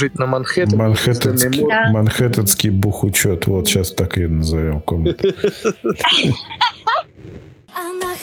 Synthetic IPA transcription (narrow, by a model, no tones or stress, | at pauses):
ɨt͡ɕʲnamanxɛmanxɛt̪ʲmanxɛt̪at̪skʲibuxut͡ɕɔt̪wɔt̪ɕast̪akjɛd̪nɔzajɔ̃wkɔm